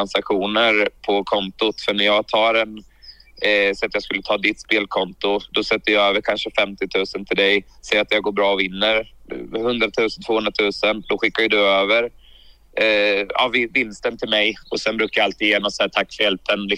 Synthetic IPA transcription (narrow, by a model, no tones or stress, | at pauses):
ansakɧuːnəɾpʰɔkʰɔnt̪ʊt̪fœɳæɾjɑːɡt̪ʰɑːɾɛn | sɔat̪jɑːskɵlːət̪ʰɑːd̪ɪt̪speːlkʰɔnt̪ʊd̪̥ɔsɛt̪ːəjɑøːvəɾkʰanʂəfɛmt̪ɪt̪ʰʉ̟ːsənt̪ʰɪld̪ɛjsɛjɾat̪jɑːɡoːɾbɾɑːɔvɪnːəɾhɵnd̪ɾat̪ʰʉ̟ːsənt̪voːhɵnɾat̪ʰʉ̟ːsənd̪ɔɧɪkːajɵd̪ɵøːvəɾ | ɑ̰vɪvɪnːst̪ənt̪ʰɪlmɛjɔsɛnbɾʉ̟kːajaalt̪iːjeːnɔmsæːt̪ʰakːfœɾɛlt̪ənlɪ